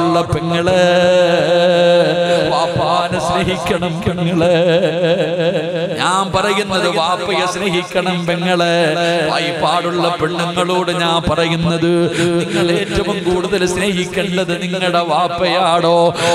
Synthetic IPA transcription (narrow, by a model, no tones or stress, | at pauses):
ɭːɐpeŋːɐɭe | ʋaːpːaːnɨsneːɦikʲːɐɳɐmpeŋːɐɭe | ɲaːnpɐrɐjunːɐðɨʋaːpːɐjɐsneːɦikʲːɐɳɐmpeŋːɐɭeʋɐjpːaːɽuɭːɐpeɳːiŋːɐɭoːɽɨɲaːnpɐrɐjunːɐðɨ | etːɐmɐmkuːɽuðɐlsneːɦikʲːɐɖɐðɨniŋːɐɽeʋaːpːɐjaːɽoː